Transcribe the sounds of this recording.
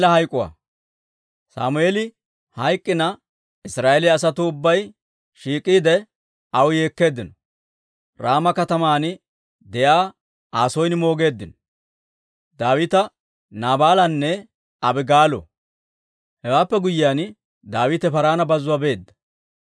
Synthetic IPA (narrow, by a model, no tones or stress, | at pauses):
lɐhɐjkʼːʊwa̰ | sa̰ːmʊeːlɪ | hɐjkʼːɪnɐ | ɪsɾaːʔɛlɪːs̬ɐt̪ʊːbːɐj | ʃiːkʼːiːd̪ɛ | ɐwje̞ːkːe̞ːd̪ːɪnɔ̥ | ɾaːmɐkɐt̪ɐmaːn | d̪ɛjaː | aːsɔjnɪmo̞ːɡe̞ːd̪ːɪnɔ | d̪aːwɪt̪ɐ | naːbaːlɐnːɛ | ɐbɪɡaːlɔ̰ | hɛwaːpːɛɡʊjɪjaːn | d̪aːwɪt̪ɛpɐɾaːnɐbɐzʊwɐbe̞ːd̪ːɐ̥